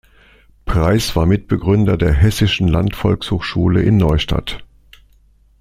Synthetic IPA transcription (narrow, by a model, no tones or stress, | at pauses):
pʁ̥aɪsv̥aːɐmɪt̚b̥əɡʁʏndɐdeːɐɦɛsɪʃn̩la̰ntfɔlkshoːxʃuːləʔɪnːɔʏʃta̰t